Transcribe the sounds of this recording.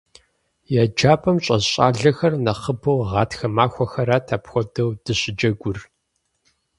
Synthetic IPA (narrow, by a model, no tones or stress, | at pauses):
jad͡ʒaːpʰʼɐmɕʼɐzɕʼa̰ːɮɐxɐrnɐχəbɐwʁɑːtxɐmaːxʷɔxɐɾatʰaːpxʷɔdɐwd̥ɨɕʼɪd͡ʒɐɡʷʊr